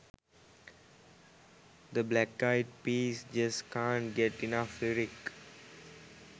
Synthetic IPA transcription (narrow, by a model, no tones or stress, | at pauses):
d̪əblækːaɪʈ̚piːsd͡ʒʌskãːɳʈɡɛʈɪnafliɾik